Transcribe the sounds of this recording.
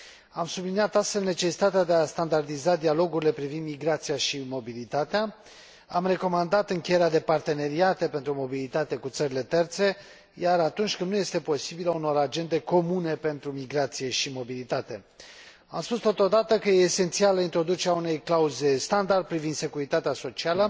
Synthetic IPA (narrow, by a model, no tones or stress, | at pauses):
amsublinijat̪ast̪fe̞lne̞t͡ʃe̞si̥t̪at̪ead̪e̞ast̪and̪ard̪izad̪ialo̞ɡuɾile̞pɾivind̪miɡɾat̪sijaʃimo̞bilit̪at̪ea | amre̞ko̞mand̪at̪ɨŋkʲejeɾead̪e̞part̪e̞ne̞ɾiat̪e̞pe̞nt̪ɾumo̞bilit̪at̪e̞kut̪səɾile̞t̪e̞rt̪se̞ | jaɾat̪unt͡ʃʲkɨnd̪nuje̞st̪e̞po̞sibiləuno̞ɾad͡ʒe̞nd̪e̞ko̞mune̞pe̞nt̪ɾumiɡɾat̪sije̞ʃimo̞bilit̪at̪e̞ | amspust̪ot̪o̞d̪at̪əkəjeːse̞nt̪sialəint̪ɾo̞d̪ut͡ʃeɾeaune̞jklauze̞st̪and̪ard̪̚pɾivind̪se̞kuɾit̪at̪easo̞t͡ʃialə